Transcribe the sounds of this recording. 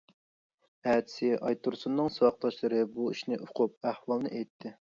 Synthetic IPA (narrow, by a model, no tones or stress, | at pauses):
æːt̪ʰɪ̥sɪʔɑjt̪ʰuɾsunːɨŋswɑq̚lˠɑʃlˠɨɾɨbuiʃnɪʔoqʰʊp̚æhwɑlˠnɨʔejt̪ʰːɪ